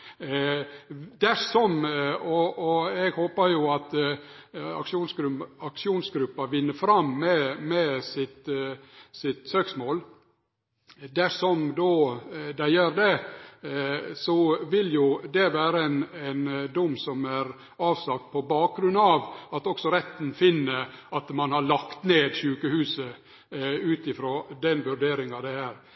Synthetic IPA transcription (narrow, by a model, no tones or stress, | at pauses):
d̪æʂɔmɔɔɛɡhoːpəɾjʊɑt̪ | ɑ̰kʂuːnɡɾɑkʂɪuːnsɡɾʉpːɑʋɪnːəfɾɑmːɛmɛsɪt̪ | sɪt̪søːksmoːl | d̪æʂɔmd̪od̪æɪjœɾd̪ɛ | sɔʋɪljʊd̪ɛʋæːɾəɛnɛnd̪ʊmːsɔmæɾ | ɑːʋsɑk̚t̪̚pʰɔbɑːk̚ɡɾʉnɑʋɑt̪ɔksɔɾɛt̪ːn̩fɪnːəɑt̪mɑnhɑɭɑkt̪neːd̪ʃʉːkəhʉːsə | ʉːt̪ɪfɾoːd̪ɛnʋʉɾɖeːɾɪŋɑd̪ɛhæːɾ